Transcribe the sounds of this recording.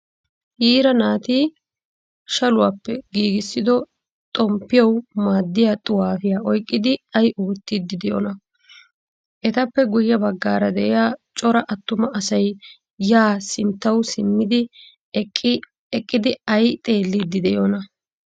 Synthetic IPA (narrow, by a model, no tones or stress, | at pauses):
hiːɾɐnaːt̪iː | ʃɐlʊwaːpːɛɡiːɡɪsːɪd̪ɔ | t̪ʼɔmpːɪjɐwmaːd̪ːɪjat̪ʼʊwaːfɪjaːʔɔjkʼːɪd̪ɪɐjʔoːt̪ːɪd̪ːɪd̪ɛjo̰nɐ | ʔɛt̪ɐpːɛɡʊjːɐbɐɡːaːɾɐd̪ɛʔɛjaːt͡ʃʼɔɾɐʔɐt̪ːʊmɐʔɐsɐj | jaːsɪnt̪ːɐwsɪmːɪd̪ɪ | ɛkʼːɪd̪ɪɐjt̪ʼe̞ːlːɪd̪ːɪd̪ɛjonɐ